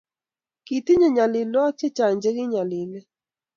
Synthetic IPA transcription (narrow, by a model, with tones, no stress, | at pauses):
ki˨ti˦ɲɔ˨ɲa˨lɪ˨lɔ˦t͡ʃe˦t͡ʃa˨ɲd͡ʒe˦ɡɪ˦ɲa˨lɪ˨lɛ˦